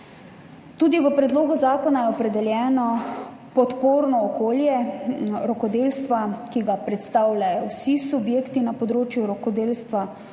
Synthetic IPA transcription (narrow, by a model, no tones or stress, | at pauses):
t̪uːd̪iʋəpɾɛd̪loːɡuzaːkɔnajɛɔpɾɛd̪ɛljɛːnɔ | pɔt̪poːɾnɔːkoːljɛɾɔkɔd̪eːlst̪ʋakiɡapɾɛt̪st̪aːwlʲajɔwsisubjeːkt̪inapɔd̪ɾoːt͡ʃjuɾɔkɔd̪eːlst̪ʋa